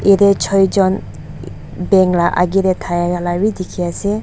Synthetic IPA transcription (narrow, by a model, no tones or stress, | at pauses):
iɾet͡ʃʰɔjd͡ʒɔn | bɛŋlaʔa̰ɡiɾetʰajaɡalawidikʰiase